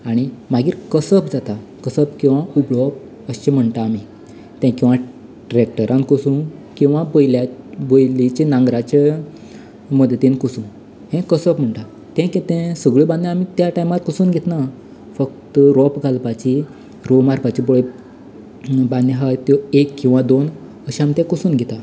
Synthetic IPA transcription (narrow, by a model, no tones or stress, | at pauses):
aɽ̃imaɡiːɾkəsəpd͡zat̪akəsəpkĩw̃ʋaubɭɔp | əɕt͡ɕẽm̤əɳt̪aːmi | t̪ɛ̃kĩw̃ʋã | ɖɾek̚ʈəɾʔãnkəsũkĩw̃ʋabəjlabojlit͡ɕenãŋɡɾat͡ɕe | məd̪ʱət̪ẽnkusũ | ɦɛ̃kəsəpm̤əɳʈ̪a | t̪ɛ̃kɛt̪ɛ̃səɡɭəbãnd̪ẽamit̪jaʈajmat̪̚kəsuːnɡʱet̪na | fək̚t̪əɾɔpɡʱalpat͡ɕi | ɾɔmaɾpat͡ɕiboɭe | band̪eɦajt̪jɔekːĩw̃ʋad̪on | əɕiamit̪ɛ̃kəsuːnɡʱɛt̪a